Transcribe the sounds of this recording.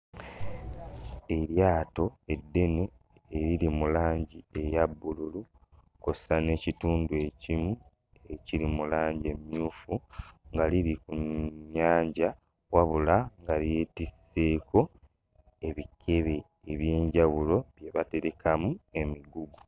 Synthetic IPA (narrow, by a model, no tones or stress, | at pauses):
e̞ɾjaːto̞edːe̞neː | ɾiɾimulaːɲɟie̞jabːululu | kosane̞cituːndue̞cimu | eciɾimulaːɲɟe̞mjuːfuŋɡaliɾikuɲɲːaːɲɟa | waβulaŋɡalje̞ːtise̞ːkʰo̞ | e̞βikʰe̞βe̞ː | βje̞ːɲɟaβulo̞βje̞βate̞ɾekʰamue̞miɡuɡu